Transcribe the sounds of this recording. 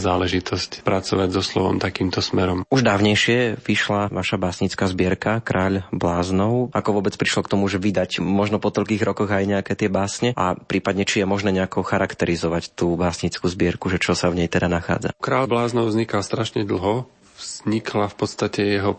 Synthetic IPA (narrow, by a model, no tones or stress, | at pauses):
zaːlɛʒit̪ʰɔscpɾat͡sɔʋaɟzɔslɔ̰ʋɔ̰mt̪akiːmt̪ɔsmɛɾɔmuʒd̪aːʊɲɛjʃɪɛʋiʃlaʋaʃabaːsɲit͡skaːzbɪɛɾkakɾʔaːʎblaːznɔʊakɔʋʊɔbɛt͡spɾiʃlɔkt̪ɔmuʒɛʋid̪acmɔʒnɔpɔt̪ɔʎkiːɣɾɔkɔɣajɲɛakɛːt̪ɪɛbaːsɲɛʔa̰pɾʔiːpad̪ɲɛt͡ʃijɛmɔʒnɛːɲɛakɔxaɾakt̪ɛɾizɔʋact̪uːbaːsɲit͡skuːzbɪɛɾkuʒɛt͡ʃɔsavɲɛjt̪ɛd̪anaxa̰ːd͡za̰kɾaːʎblaːznɔʊvzɲikalst̪ɾaʃɲɛd̪l̩ˠɦɔ | vz̥ɲikʰlafpɔt̪st̪acɛjɛɦɔ